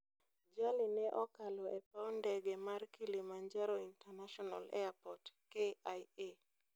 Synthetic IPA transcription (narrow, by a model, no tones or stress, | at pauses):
d͡ʒalinɛʔɔkalɔʔɛpaɔndɛɡemarkilimaɲd͡ʒaɾɔintanaʃɔna̰lɛ̰apɔtkeaje